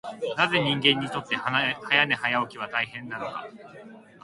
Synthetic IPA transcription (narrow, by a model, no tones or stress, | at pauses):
naze̞ɲ̟ĩŋɡẽ̞ɲ̟ːit̪o̞t̪ːe̞hajane̞hajaokʲiβ̞at̪aiɦẽ̞nːano̞ka̰